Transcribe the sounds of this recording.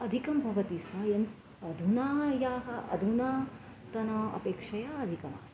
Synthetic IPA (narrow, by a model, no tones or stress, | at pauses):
ɐd̪ʱikɐmbʱɐʋɐt̪isɦɐjɐnt̪ | ɐd̪ʱunaːjaːɦɐʔɐ̰d̪ʱunaː | t̪ɐnɐɐ̰peːkʂɐjaːɐd̪ʱikɐma̰ːs